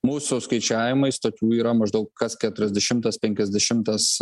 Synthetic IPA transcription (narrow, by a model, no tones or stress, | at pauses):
muːsʊskɐɪt͡ʃʲæːʋʲɪmɐɪst̪oːkʲuːiːɾɐmɐʒd̪ɐʊkkɐskʲæt̪ʊɾʲɛzʲd̪ʲɛʃʲɪmt̪ɐspʲɛŋʲkʲɛzʲd̪ʲɛʃʲɪmt̪ɐs